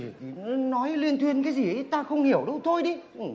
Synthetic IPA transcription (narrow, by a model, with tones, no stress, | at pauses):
nɔ˨˦jli˧ənt̪ʰwi˧ənkaː˨˦jzi˨˩ʔə˨˦jt̪aː˧xə˧wŋ͡mhi˧˩əwɗə˧wt̪ʰo˧jɗi˨˧˦ʔɨ˨˩